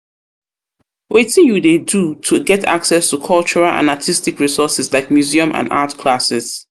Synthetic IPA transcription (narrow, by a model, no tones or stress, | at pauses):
wetɪ̃ŋjudedutʰuɡɛtʰa̰ksɛstʰukʰʌlˠt͡ʃɔɹalʔã̰natʰistikɹisɔsɪslaɪk̚mjuziə̃mʔã̰na̰tkʰlasɪz̥